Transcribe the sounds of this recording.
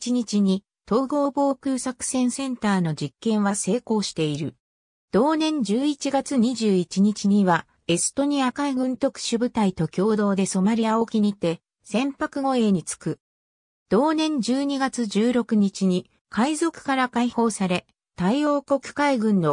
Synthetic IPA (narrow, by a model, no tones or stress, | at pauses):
t͡ɕiɲ̟it͡ɕiɲ̟i | t̪o̞ːɡo̞ːbo̞ːkʲɯːsakɯ̟̥sẽ̞ɰ̃sẽ̞nt̪aːno̞d͡ʑikːẽ̞ɰ̃βase̞ːko̞ːɕi̥t̪e̞iɾɯ̟̰ | d̪̥o̞ːnẽ̞ɲd͡ʑɨːit͡ɕiɡat͡sɨɲ̟iʑɨːit͡ɕiɲ̟it͡ɕiɲ̟iβa | e̞sɨ̥t̪o̞ɲ̟iakaiɡɯ̟̃nt̪o̞kɯ̟̥ɕɨbɯ̟t̪ait̪o̞kʲo̞ːd̪o̞ːd̪e̞so̞maɾʲijao̞kʲiɲ̟it̪e̞ | sẽ̞mpakɯ̟ɡo̞e̞ːɲ̟it͡sɨ̥kɯ̟ | d̪̥o̞ːnẽ̞ɲd͡ʑɨːɲ̟iɡat͡sɨʑɨːɾo̞kɯ̟ɲ̟it͡ɕiɲ̟i | kʰaizo̞kɯ̟̥kaɾakaiho̞ːsaɾe̞ | t̪aio̞ːko̞kɯ̟̥kaiɡɯ̟̃nːo̞